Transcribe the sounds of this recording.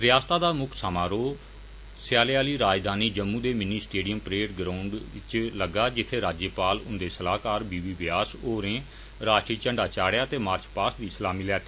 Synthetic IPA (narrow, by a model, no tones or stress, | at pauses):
ɾɪjaːst̪aːd̪aːmʊkʰsaːmaːɾoː | sɪjaːlejaːliːɾaːd͡ʒd̪aːniːd͡ʒəmːũːd̪eːmɪniːsʈeːɖɪjəmpɾeːʈɡɾaːʊɳɖt͡ʃləɡːaːd͡ʒɪt̪ʰːeːɾaːd͡ʒəpaːlʊ̰̃nd̪eːsəlaːkaːɾbiːʋiːʋɪjaːsoːɾẽː | ɾaːʈɾiːt͡ʃəɳɖaːt͡ʃaːɽjaːt̪eːmaːɾt͡ʃpaːsd̪iːsəlaːmiːlɛːt̪ʰː